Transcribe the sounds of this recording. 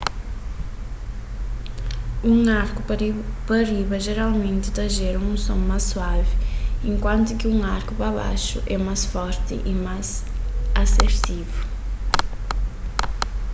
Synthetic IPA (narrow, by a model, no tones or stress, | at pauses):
ũŋaɾkʊpɐɾiβɐʒeɾalˠmẽnt̪ɪt̪ɐʒeɾɐ̃ũsõmajssuavɪẽŋkwɐ̃nt̪ʊkɪũŋaɾkʊpɾɐβa̰ʃʊ̰ʔɛmajsfɔɾt̪ɪ̰ʔimajzɐseɾt̪ivʊ